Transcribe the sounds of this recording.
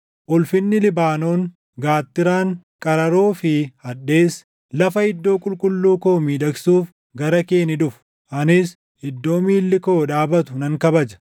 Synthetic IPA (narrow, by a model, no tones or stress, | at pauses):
ʔʊlfɪnːɪlɪbaːno̞ːŋ | ɡaːt̪ːɪɾaːŋ | kʼɐɾɐɾo̞ːfɪhɐᶑe̞ːs | lɐfɐhɪd̪ːo̞ːkʼʊlkʼʊlːuːko̞ːmiːᶑɐɡsuːf | ɡɐɾɐke̞ːnɪᶑʊfʊ | ʔɐnɪs | hɪd̪ːo̞ːmiːlːɪko̞ːᶑaːbɐt̪ʊnɐŋkɐbɐd͡ʒɐ̥